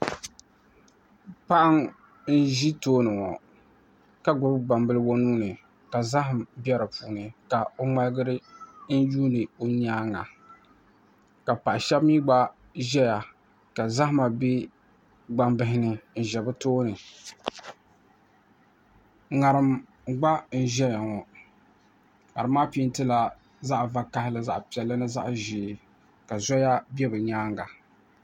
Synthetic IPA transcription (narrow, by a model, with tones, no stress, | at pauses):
pa˦ʔa˦ŋ | n̩˦ʒi˦toː˦nɨ˨ŋɔ̰˨ | ka˦ɡʊ˨ɾɡ͡ba˨mbɨ˦lɨ˦wo˦nuː˦nɨ˨ | ka˨za˦ɦɪ˨mbjɛ˦ɾɨ˨puː˨˦ŋɛ˨ka˨o˦ŋ͡ma˦lɨ˦ɡɨ˦ɾɨ˦n̩˦juː˦nɨ˨o˦ɲaː˦ŋa̰˨ | ka˨pa˨ʔʃɛ˦bmiː˦ɡ͡ba˦ | ʒɛ˦ja˨ | ka˨za˦hma˨be˦ | ɡ͡ba˦mbɪ˦hɪ˦nɨ˨n̩˨ʒɛ˨bɨ˦toː˦nɨ˨ | ŋa˨ɾɨ˨m̩˨ | ɡ͡ba˦n̩˦˨ʒɛ˦ja˨ŋɔ˨ | ŋa˨ɾɨ˨mːaː˦pi˦n˦tɨ˦la˦ | za˦ʔva˦ka˦hɪ˦lɨ˨za˦ʔpi˨ɛ˨lːɨ˦nɨ˦za̰˦ʔʒiː˨ | ka˨zɔ˦ja˦bɛ˦bɨ˨ɲaː˦ŋɡa˨